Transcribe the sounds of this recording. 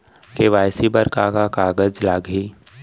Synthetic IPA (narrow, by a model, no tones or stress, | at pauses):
keʋaːjsibəɾkakakaːɡəd͡ʒlaːɡɦiː